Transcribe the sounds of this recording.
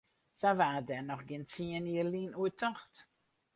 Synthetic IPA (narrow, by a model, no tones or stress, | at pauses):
savadɛnɔχɡɪnt͡siəniəlinuətʰɔχt